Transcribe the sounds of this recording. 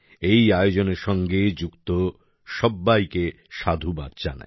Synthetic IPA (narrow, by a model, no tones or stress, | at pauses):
ejajod͡ʑoneɾʃɔŋɡed͡ʑukt̪o | ʃɔbːajke | ʃad̪ʱuba̰d̪d͡ʑa̰na̰